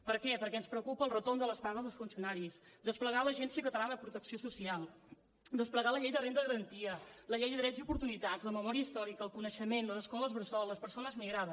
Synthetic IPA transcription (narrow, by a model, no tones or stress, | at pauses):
pəɾkɛpəɾkɛənspɾəwkupəːlˠrət̪ond̪ələspaɣəzəlˠsfunsiunaɾisd̪əspləɣaləʒɛnsiəkət̪əlanəðəpɾut̪əksiosusialˠ | d̪əspləɣaləʎɛjðərend̪əɣəɾənt̪iələʎɛjðəðɾɛziupuɾt̪unit̪azləməmɔɾiəist̪ɔɾikəːlˠkunəʃəmenləðəskomləzβɾəsɔləspəɾsonəzmiɣɾaðəs